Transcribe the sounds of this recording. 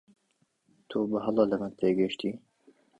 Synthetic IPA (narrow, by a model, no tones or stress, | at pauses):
t̪ʰubəɦɑlɑːləmənt̪ʰeːɡəʃt̪iː